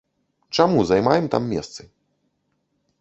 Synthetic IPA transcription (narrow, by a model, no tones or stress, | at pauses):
t͡ʂamuzajmajɛmt̪a̰mːʲɛ̰st̪sɨ